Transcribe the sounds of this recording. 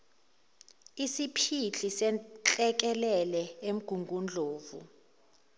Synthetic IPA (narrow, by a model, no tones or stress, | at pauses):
isipʰiɬʰisɛt͡ɬʼɛk̬ɛlɛlɛem̩ɡ̥ʱuŋɡʱund͡ɮʱoːvṵ